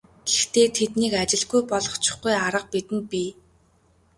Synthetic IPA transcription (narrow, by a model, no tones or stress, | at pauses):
ɡ̥ext̪ʰeːt̪ʰet̪niːkat͡ɕɪ̆ɮɡujpɔɮɞ̆χt͡ɕʰɪ̥̆χɡujaɾə̆q̚pit̪ɘ̆n̚pʲiː